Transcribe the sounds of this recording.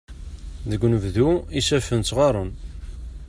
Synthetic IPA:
ðəɡʷnəvðuisæfənt͡s̪ːʁɑɾˤən

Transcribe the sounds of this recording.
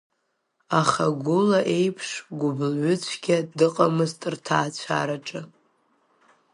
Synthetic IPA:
aχaɡʷʊlaʔe̞jpʰʂɡʷʊblʕʷʊt͡ɕʷʰɡʲadɨqʼamɨztʼrtʰaːt͡ɕʷʰa̰ɾaʈ͡ʂʼɨ

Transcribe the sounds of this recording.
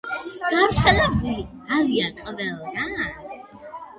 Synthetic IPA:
ɡ̥avɾt̪sʰɛlɛbulialiakʼvɛlna

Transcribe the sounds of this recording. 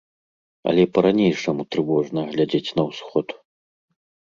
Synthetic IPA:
ɐ̰lʲɛpɐɾanʲejʂɐmut̪ɾɨvɔʐnɐɣlʲad͡zʲet͡sʲnɐwsxɔt̪

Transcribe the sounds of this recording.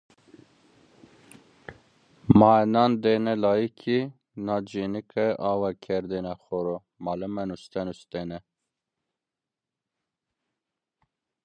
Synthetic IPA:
mɑːɛnɑnd̪eːnɛlɑːjikʰi | nɑːd͡ʒenikʰɛʔɑːwɑkʰɛɾd̪enɑxɔɾo | mɑlɛmɛnust̪ɛnust̪ɛnɛ

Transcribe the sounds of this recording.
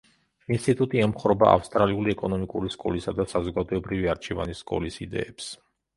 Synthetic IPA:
inst̪ʼit̪ʼut̪ʼiɛmχɾɔba̰ʔa̰fst̪ʼɾaliuliɛkʼɔnɔmikʼuɾiskʼɔ̰lisad̪asazɔɡad̪ɔɛbɾiviaɾt͡ʃʰɛva̰niskʼɔ̰lisid̪ɛ̰ɛps

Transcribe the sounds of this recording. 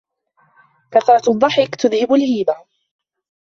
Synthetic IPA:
kaθɾˤɑt̪ðˤːɑħɪkt̪ʊðhɪbalhiːba

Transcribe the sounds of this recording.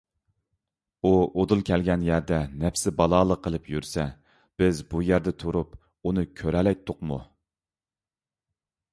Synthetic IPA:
uod̪ulˠkʲʰɛlɡʲɛnjæɾd̪ɛnɛpsɪbɑlˠɑːlˠəqʰːəlˠɨpjyɾsɛ | b̥ɪzbujæɾd̪ɛt̪ʰuɾup | unɨkʲʰøɾɛlɛjt̪ʰːʊqmṵ

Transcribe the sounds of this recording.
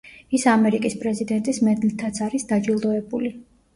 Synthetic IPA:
isamɛɾikʼispʼɾɛzid̪ɛnt̪ʼismɛd̪lit̪ʰat̪sʰaɾisd̪ad͡ʒilˠd̪ɔɛbuli

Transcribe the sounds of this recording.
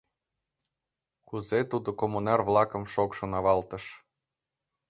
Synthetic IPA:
kuzet̪ud̪okomunɑrvlˠɑkə̆mʃokʃonɑβɑlt̪ə̆ʃ

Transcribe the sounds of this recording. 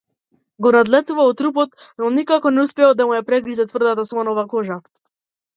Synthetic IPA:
ɡɔnad̪lɛt̪uvaɔt̪ːɾupɔt̪ | nɔnikakɔnɛuspɛɛlˠd̪amujapɾɛɡɾizɛt̪vr̩d̪at̪asvanɔvakɔʒa

